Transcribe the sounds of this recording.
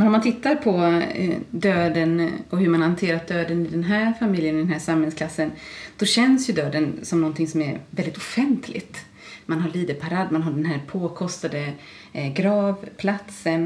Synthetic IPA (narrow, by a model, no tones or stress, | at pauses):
ɛnɔmant̪ʰɪt̪ːaɾpʰɔ̰ | d̪øːd̪ənɔhɵɾmanhant̪ʰeːɾat̪̚d̪øːd̪ənɪd̪ɛnɦæːɾfamɪljənd̪ɛnɦæːʂamhɛlnsklasːənd̪̥ɔɕɛnsjɵd̪øːd̪ənsɔmnɔnt̪ʰɪŋsɔmæɾvɛld̪ɪt̪ʊfɛnt̪ʰlɪ̰ɡt̪ | manɦaɭiːd̪əpʰaɾɑːd̪manɦaɖɛnɦæːɾpʰoːkʰɔst̪ad̪ə | ɡɾɑːvpʰlat̪sən